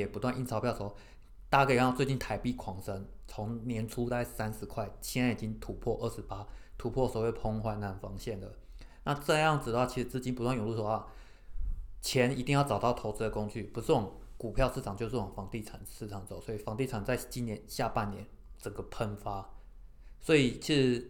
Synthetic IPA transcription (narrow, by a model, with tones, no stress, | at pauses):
ɛ˨˩pu˧˥t̪wa˥˧ni˥nt͡sʰɑ˧˥pʰjɑ˥˩ʊʂə˧x | t̪a˥˧ɡə˩˨˧t͡swe˥˧t͡ɕi˥˩nt̪ʰa˨˩ɪpi˥˩kʰwɑ˧˥ŋʂə˥ŋ | t͡sʰo˧˥ŋnjɛ˧˥nʈ͡ʂʰu˥t̪a˥˩ɪsa˦nʂɻ̩˧˥kʰwa˥˩ɪt͡ɕʰi˧˥na˧˥n˨i˨˩t͡ɕi˥ŋt̪ʰu˨˥pʰwɔ˥˧ʔə˥˩ʂ̩˧˦pa˥t̪ʰu˨˥pʰwɔ˥˩sɔ˨˩we˥˩pʰo˥ŋxwa˥˩nna˧˥nfɑ˥ŋɕjɛ˥˩nd̪ə˩ | na˥˧ʈ͡ʂɤ˥˧jɑ˥˩ŋt͡s̩˨˩d̪ə˩xwa˥˩t͡ɕʰi˧˥ʂɻ̩˧t͡sɹ̩˥˧t͡ɕi˥npu˧˥t̪wa˥˩njo˨˩lu˥˩ʂo˥a˥˩ | t͡ɕʰjɛ˧˥ni˧˥t̪i˥ŋjɑ˥˩ʊʈ͡ʂɑ˨˩t̪ɑ˥˩ʊt̪ʰo˧˥ʊt͡s̩˧˥d̪ə˨˩ko˥ŋt͡ɕy˥˩pu˧˥ʂ̩˥˩wɔ˨˩˦ŋku˨˩pʰjɑ˥˧ʊʂɹ̩ʰ˥˩ɑ˨˩ŋt͡ɕjo˥˧ʊʂɻ̩˥˩wŋfɑ˧˥ŋt̪i˥˩ʈ͡ʂʰa̰˨˩nʂ̩˥˩ʈ͡ʂʰɑ˨˦ŋt͡so˨˩ʊswɔ˧˥i˨˩fɑ˧˥ŋt̪i˥˩ʈ͡ʂʰa˨˩nt͡sa˥˩ɪt͡ɕi˦˥njɛ˧˦nɕja˥˧pa˥˩nnjɛ˧˦n | ʈ͡ʂə˨˩ŋɡə˦pʰə˧˥nfa˥ | swɔ˧˥i˨˩t͡ɕʰi˧˥ʂɻ̩˧˩˦